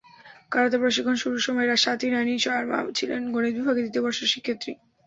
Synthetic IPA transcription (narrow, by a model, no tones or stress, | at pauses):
kaɾat̪̬epɾoʃikʰːonʃuɾuʃɔmɔeɾaʃat̪ʰiɾaniʃaɾma̰t͡ɕʰilḛnɡoñid̪̚bibʱaɡed̪it̪ebɔɾʃeʃikʰːet̪ːɾḭ